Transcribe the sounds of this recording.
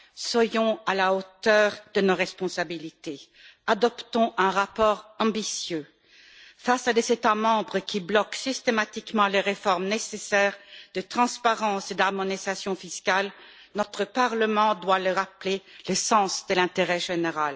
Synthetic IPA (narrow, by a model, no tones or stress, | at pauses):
swajɔ̃alaot̪œʁd̪ənoʁɛspɔ̃sabilit̪e | ad̪ɔpt̪ɔ̃ʔɛ̃ʁapɔːʁɑ̃bisjø | fasad̪ezet̪amɑ̃bʁəkʲiblɔksist̪emat̪ikmɑ̃leʁefɔʁmnesesɛːʁd̪̥ət̪χɑ̃spaʁɑ̃sed̪aʁmɔnizasjɔ̃fiskal | nɔt̪χəpaʁləmɑ̃d̪waləʁaplelesɑ̃sd̪əlɛ̃t̪eʁɛʒeneʁal